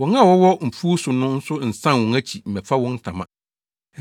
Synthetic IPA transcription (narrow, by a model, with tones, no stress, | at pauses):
wɔ̃˨˦ŋã˦˨wɔ˦wɔ˦m̩˨fu˦sʊ˨nʊ̃˦n̩˦sʊ˦n̩˨sã˦nwɔ̃˨ŋæ˦t͡ɕʰi˨m̩˨mɛ̃˨fa˦wɔ̃˦n̩˦tʰã̰˨mã̰˨